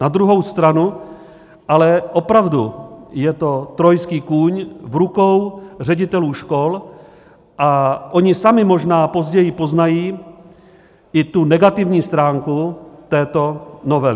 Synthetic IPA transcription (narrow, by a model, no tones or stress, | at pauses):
nad̪ɾuɦo̞wst̪ɾanu | ʔalɛʔo̞pɾavdujɛt̪o̞t̪ɾo̞jskiːkuːɲvɾuko̞wr̝ɛɟɪt̪ɛluːʃko̞l | ʔaʔo̞ɲɪsamɪmo̞ʒnaːpo̞zɟɛjɪpo̞znajiː | ʔɪt̪unɛɡat̪ɪvɲiːst̪ɾaːŋkut̪ɛːt̪o̞no̞vɛlɪ